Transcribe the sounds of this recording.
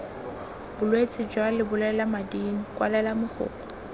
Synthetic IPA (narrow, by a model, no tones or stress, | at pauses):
b̥ʊlwet͡sʼɪd͡ʒwalɪbʊlɛlamadiŋ̩kʼwa̰lɛlamʊχʰʊ̰ːkɔ̥